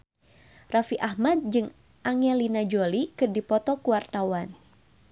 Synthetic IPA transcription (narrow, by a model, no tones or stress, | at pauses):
rafiʔahmad̪̚d͡ʒɨŋ | ʔaŋɛlinad͡ʒolikɨrdipɔt̪ɔkuwart̪awan